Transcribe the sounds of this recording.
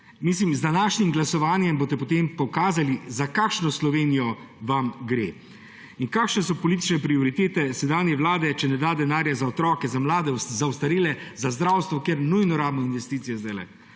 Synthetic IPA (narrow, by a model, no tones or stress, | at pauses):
mislimzd̪anaːʃnimɡlasɔʋaːnjɛmboːt̪̬ɛpɔt̪empɔkaːzalizakaːkʃnɔslɔʋeːnijɔ | ʋamɡɾeː | iŋkaːkʃnɛsɔpɔliːt̪̬i̥t͡ʃnɛpɾiɔɾit̪eːt̪ɛsɛd̪anjɛʋlaːd̪ɛt͡ʃɛnɛd̪aːd̪ɛnaːɾjazaɔt̪ɾɔːkɛzamlaːd̪ɛzawst̪aɾiːlɛzazd̪ɾawst̪ʋɔkjeɾnujnɔɾaːbnɔinʋɛst̪iːt̪sijɛzd̪ajlɛ̰